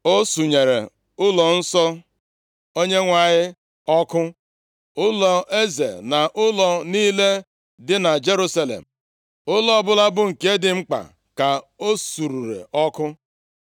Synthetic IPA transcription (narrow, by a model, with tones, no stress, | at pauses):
o˦su˨ɲe˨ɾḛ˨ | ʊ˦lɔ˨n̩˦sɔ˦ | o˦ɲe˦ŋʷa˨ɲɪ˦ | ɔ˦kʊ˦ | ʊ˦lɔ˨e˦zḛ˨na˨ʔʊ˦lɔ˨niː˦le˦ | dɪ˦na˨d͡ʒe˦ɾu˦sa˦lḛ˨m̩˨ | ʊ˦lɔ˦bʊ˦la˦bʊ˦ŋ̩˨ke˦dɪ˨ŋ͡m̩˦k͡pa̰˨ | ka˨o˦su˨ɾu˨ɾḛ˨ʔɔ˦kʊ˦